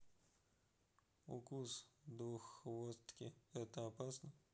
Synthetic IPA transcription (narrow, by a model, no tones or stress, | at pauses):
ṵkusd̪uxʋost̪kʲɪɛt̪əɐpasnə